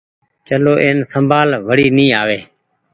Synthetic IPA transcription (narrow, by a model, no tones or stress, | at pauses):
t͡ʃəloːʔeːnsəmbʱaːlʋəɽiːnĩːaːʋeː